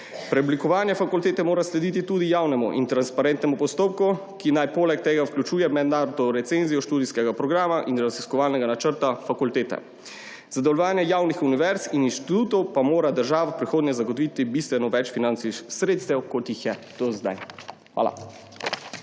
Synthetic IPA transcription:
pɾɛɔblikɔʋaːnjɛfakult̪eːt̪ɛmoːɾaslɛd̪it̪it̪ud̪ijaːwnɛmuʔḭnt̪ɾanspaɾɛnt̪nɛmupɔst̪oːp̚ku | kinajpoːlɛkt̪eːɡawklʲut͡ʃuːjɛmɛd̪naːɾɔd̪ɔɾɛt̪senzijɔʃt̪uːd̪iskɛɡapɾɔɡɾaːmaʔinɾaziskɔʋaːlnɛɡanat͡ʃəɾt̪afakult̪eːt̪ɛ̰ | zad̪ɛwlɔʋaːnjɛjaːwnixuniʋɛɾsininʃt̪it̪uːt̪ɔwpamoːɾad̪əɾʒaːʋapɾixoːd̪nɛzaɡɔt̪ɔʋit̪ibist̪ʋɛnɔʋɛt͡ʃfinant̪sisɾeːt̪st̪ɛwkot̪jixjɛt̪ozd̪a̰j | xʋa̰ːla̰

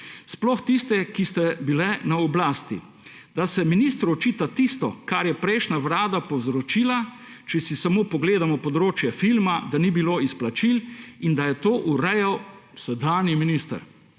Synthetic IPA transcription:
splɔxt̪ist̪ɛkist̪ɛbilɛnaɔblaːst̪ḭ | d̪asɛminist̪ɾɔt͡ʃiːt̪at̪ist̪ɔkaɾjɛpɾɛɪʃnaʋɾaːd̪apɔwzɾɔt͡ʃiːla | t͡ʃɛsisamoːpɔɡleːd̪amɔpɔd̪ɾoːt͡ʃjɛfilmad̪anibiloːisplat͡ʃilind̪ajɛt̪oːʔuɾɛjawsɛd̪aːniminist̪ə̰ɾ

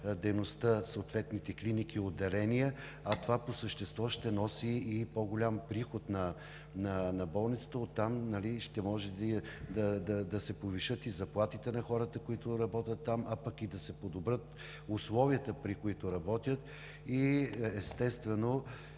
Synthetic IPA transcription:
d̪ɛjnost̪əsoːt̪vɛt̪nit̪ɛklinikiod̪ːɛlɛnijɛ | ɐt̪ovaposəʃt̪ɛst̪vɔʃt̪ɛnɔsiːpoɡolʲampɾixot̪nɐ | nɐnɐbɔlˠnit̪sə̥t̪əot̪ːamnɐliʃt̪ɛmɔʒɛd̪d̪ɐd̪ɐd̪ɐsɛpoviʃɤt̪izɐplˠat̪it̪ɛnɐxɔɾət̪əkoit̪ʊɾɐbɔt̪ʲət̪ːamɐpɐkid̪ɐsɛpod̪obɾət̪ | ʊslˠɔviət̪əpɾikʊit̪ʊɾɐbɔt̪ʲjət̪ | iɛst̪ɛst̪vɛno

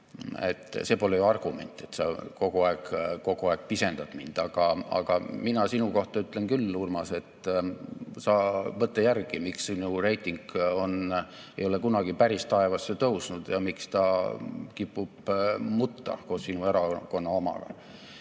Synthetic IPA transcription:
e̞̰t̪ːˑseːpo̞lejuɑrɡ̥ume̞̰nʲt̪ːˑe̞t̪sɑko̞ɡ̥uɑeɡ̥kːo̞ɡ̥uɑeɡ̥̚pise̞nd̪̥ɑt̪mind̪̥ɑɡ̥ɑɑ̰ɡ̥ɑminɑsinuko̞ht̪ɑyt̪ːlenkylːurmɑse̞t̪ː | sɑːvɤt̪ːˑejærɡ̥imiksinure̞jt̪ːˑiŋɡ̥o̞n | e̞̰jo̞lekunɑɡ̥ipæɾist̪ɑe̞vɑsːet̪ɤwsnud̪̥jɑmikst̪ɑkipˑːub̥mut̪ːɑ̰ko̞ːssinue̞ɾɑko̞nːɑomɑ̰ɡ̥ɑ̰

